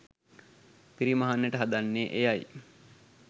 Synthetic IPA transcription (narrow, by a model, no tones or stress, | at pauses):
piɾiməɦanːeʈəɦad̪anːeːʔejaj